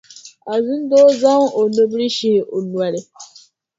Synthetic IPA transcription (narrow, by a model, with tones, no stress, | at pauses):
a˨zu˦n˦dɔː˦za˦ŋ˦o˨no˦bɾi˦ʃe˦˨o˨nwa˨ɾɪ˦